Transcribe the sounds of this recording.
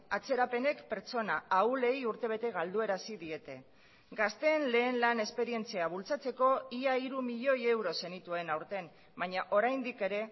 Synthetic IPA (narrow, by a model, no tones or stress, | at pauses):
at͡se̞ɾape̞ne̞kpe̞ɾt͡so̞naaule̞juɾt̪e̞β̞e̞t̪e̞ɣald̪ue̞ɾasiðie̞t̪e̞ | ɡast̪e̞ːnle̞ːnlane̞spe̞ɾie̞nt͡siaβult͡sat͡se̞ko̞iaiɾumiʎo̞je̞wɾo̞se̞nit̪uenawɾt̪e̞n | baɲaʔo̞ɾajnd̪ike̞ɾe̞